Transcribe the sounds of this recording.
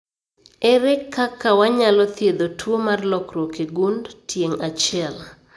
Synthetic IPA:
ɛɾɛkʰːakʰːawaɲalɔt̪jed̪otʰwomarlɔkɾokeɡundtʰjeŋat͡ʃɪɛl

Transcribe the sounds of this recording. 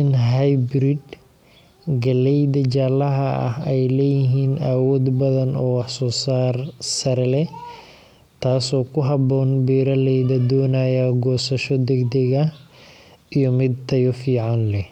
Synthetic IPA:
ɪnɦajbɾɪd̪ | ɡɐlɛjd̪ɐd͡ʒaːlɐɦɐ̰ːhɛjlɛːjɪɦiːnawɔːd̪bɐðɐnɔːwɑħsɔːsaːrsɐɾɛlɛ | t̪ʰaːsɔːkʰʊɦɐbɔːnbiːɾɐlɛjðɐd̪ɔːnaːjɐɡɔːsɐʃɔd̪ɛɡd̪ɛɣɐ | ijɔmɪd̪̚t̪ʰɐjɔfiːʕɑnlɛ

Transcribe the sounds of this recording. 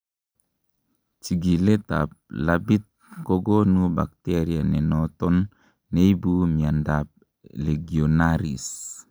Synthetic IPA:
t͡ʃiɡilɛt̪a̰p̚labit̪̚koɡonuba̰k̚t̪eɾianɛnɔt̪ɔnː | eibumiandap̚ | leɡionaɾḭs

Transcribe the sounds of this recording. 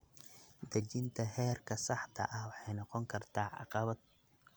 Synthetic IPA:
d̪ɐt͡ʃɪnt̪ʰɐɦɛːrkʰɐsɑħt̪ʰɐ̰ʔɐhwɑħɑjnɑqɔŋkʰɐrt̪ʰaːʕɑ̰qɑβɐd̪̚

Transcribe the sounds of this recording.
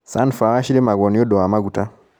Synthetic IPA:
sanfawaʃiɾemaɣɔnɔdɔamaɡuta

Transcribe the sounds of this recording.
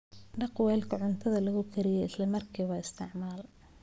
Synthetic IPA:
ɖɑqwɛːlkʰɐʕʊnt̪ʰɐðɐlɐɣʊkʰɐɾɪjɛɪslɐmɐrkʰiːβɐɪst̪ʰɪ̰ʕmaːl

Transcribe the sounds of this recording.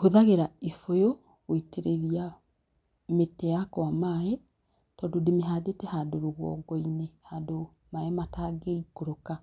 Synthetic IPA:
hoðaɣeɾaifojo | woiteɾeɾia | metɛakwamae | tɔːndodemeɦaːdetɛhadoɾoɣwɔ̰ɡɔinehado | maɛmataːɡeikoɾoka

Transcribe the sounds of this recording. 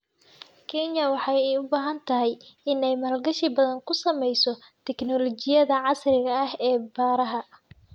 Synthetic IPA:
kʰɛnjɐwɑħɑjɛjʊbaːɦɐnt̪ʰɐɦɛjɪnɛjmɐːlɡɐʃɪbɐðɐŋkʰʊsɐmɛjsɔ | t̪ʰɛknɔlɔt͡ʃɪjɐðɐʕɑsrɪɣɐːhɛːbaːɾɐɦɐ

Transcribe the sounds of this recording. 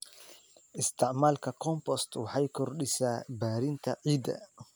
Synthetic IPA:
ʔɪst̪ɪʕmalkakɔmpɔst̪waħajkɔɾɗisabaːɾint̪ʰaʔiːd̪a̰

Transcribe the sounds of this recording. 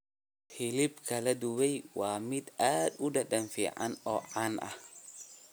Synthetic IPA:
fɪlɪbkʰɐlɐd̪ʊwɛjwɑːmɪd̪aːd̪ʊɖɐɖɐnfḭːʕɑ̰nɔːʕaːnʔɐ̰h

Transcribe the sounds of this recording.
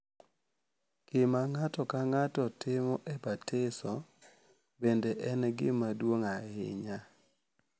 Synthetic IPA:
kɪmaŋatɔkaŋatɔtɪmɔʔɛbatʰɪsɔ | bendeʔɛnɡɪmadwoŋaɪ̰ɲa

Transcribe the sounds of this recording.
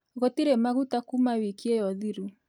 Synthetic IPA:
ɣotiɾemaɣutakumawikiejɔðiɾu

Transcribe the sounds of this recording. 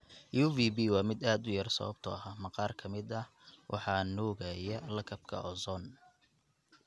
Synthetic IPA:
juːvibiːwɑːmɪd̪aːd̪ʊjɐrsɐ̰βɐ̰b̚t̪ʰɔ̰ɐɦamɐqɑːrkʰɐmɪd̪ɐ | wʔɑ̰ħɑnuːɣɐjɐlɐkʰɐb̚kʰɐ̰ɔzɔn

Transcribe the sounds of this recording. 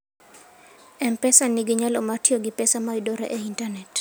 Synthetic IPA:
ɛmpɛsaniɡiɲalɔmatiɔɡipɛsamaidɔɾɛ̰ʔɛintanɛt

